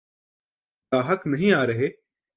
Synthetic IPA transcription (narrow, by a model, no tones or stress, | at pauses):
aːɦəknɐɦĩaːɾɐɦeː